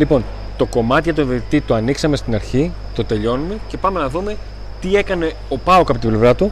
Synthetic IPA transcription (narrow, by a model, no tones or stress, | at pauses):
lipo̞n | t̪o̞ko̞mɐt̪iʝɐt̪oveit̪it̪oɐniksɐmest̪inɐɾçi | t̪o̞t̪e̞ʎo̞nume̞ce̞pɐme̞nɐðume̞ | t̪ie̞kɐne̞ | o̞pɐokɐpot̪ible̞vɾɐt̪u